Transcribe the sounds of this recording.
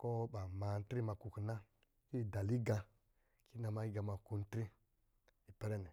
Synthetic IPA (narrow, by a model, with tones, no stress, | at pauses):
ko˦ɓa˨ma˨n˦tɾi˦ma˨ku˨kna˦ | ki˦˨da˨li˦ɡa˨ | ki˦na˨ma˦i˦ɡa˨ma˨ku˦n˦tɾi˦ | i˨pe˨ɾe˦ne˨